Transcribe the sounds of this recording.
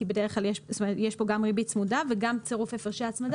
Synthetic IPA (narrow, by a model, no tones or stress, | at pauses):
ibedeʁeχklaljeʃst̪omeet̪jeʃpo̞ɡamʁibit͡smudaveɡamt͡seʁufefeʁʃeat͡smad